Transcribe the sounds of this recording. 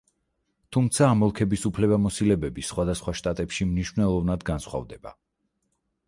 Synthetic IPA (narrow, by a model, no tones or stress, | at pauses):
t̪ʰumt̪sʰaːmɔlˠkʰɛbisupʰlɛβamɔsilɛbɛbisχwad̪asχwaʃt̪ʼat̪ʼɛpʃimniʃvnɛlˠɔvnad̪ɡansχwa̰vd̪ɛba